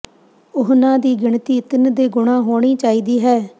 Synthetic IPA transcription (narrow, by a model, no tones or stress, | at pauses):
ʊɦnãːd̪iːɡɪɳt̪iːt̪ənd̪eːɡʊɳ̃ãːɦoːɳ̃iːt͡ʃaːiːd̪iːɦɛː